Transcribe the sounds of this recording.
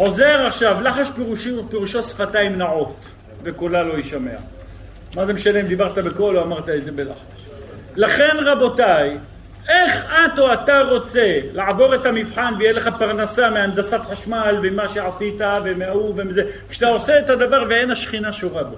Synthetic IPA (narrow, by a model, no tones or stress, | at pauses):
ħo̞ze̞ʁaχʃavlaħaʃpeʁuʃipeʁuʃo̞sfat̪aimnaʕo̞t̪ | vekolalo̞iʃame̞a̰ | mazemeʃalemd̪ibaʁt̪abeko̞loamaʁt̪aeze̞be̞la̰ħaʃ | laχe̞nʁabo̞taj | e̞χat̪oataʁo̞t͡se̞laʕbo̞ʁe̞t̪amivħanvejeleχapaʁnasameand̪asat̪ħaʃmalbemaʃeʕasit̪avemeauvemizekʃat̪aoseːt̪ad̪avaʁvee̞nhaʃχinaʃoʁabo